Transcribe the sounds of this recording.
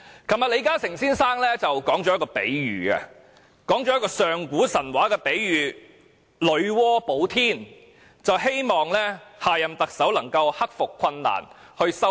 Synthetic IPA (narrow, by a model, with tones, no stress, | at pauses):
kʰɐ˨˩mːaː˨le˨˧jkaː˥sɪ˨˩ŋsiː˥nsaː˥ŋlɛː˥t͡sɐ˨wkɔː˨˥ŋt͡ʃɔː˨˧jɐ˥kɔː˧pe˨˥jɥyː˨ɐ̰˧ | kɔː˨˥ŋt͡ʃɔː˨˥jɐ˥kɔː˧sœː˨ŋkuː˨˥sɐ˨˩nwaː˨˥kɛː˧pe˨˥jɥyː˨˩ | lɵ˨˧˥ɥwɔː˥po˨˥wt̪ʰiː˥n | t͡sɐ˨wɦe˥jmɔː˨ŋlɛː˥haː˨˧jɐ˨mt̪ɐ˨k̚sɐ˨˥wlɐ˨˩ŋkɐ˧whɐ˥k̚fʊ˨kʰːɐ˧nːa̰ː˨˩n | hɵ˧ɥsɐ˥